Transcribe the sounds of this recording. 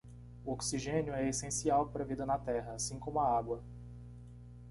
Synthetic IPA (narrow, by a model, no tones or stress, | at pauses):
uoksiʒẽnjʊɛesẽsiawpoɾɐvid̪ɐnɐt̪ɛɦɐasĩkõmʊɐaɡwɐ